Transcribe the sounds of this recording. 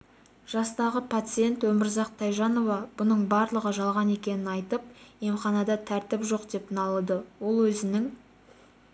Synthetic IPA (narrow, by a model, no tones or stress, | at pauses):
ʒ̥ɑst̪ɑʁəpʰat̪sɨje̞nt̪wɵmɪɾzɑq̚t̪ʰːɑjʒɑno̞vɑb̥ʊnəɴbɑɾlˠəʁəʒɑlˠʁɑne̞kʲe̞nɪnɑjt̪əp̚jemχɑnɑd̪ɑt̪ʰæɾt̪ɪpʒo̞qd̪e̞pnɑlˠəd̪əwo̞lˠwɵzɪnɪŋ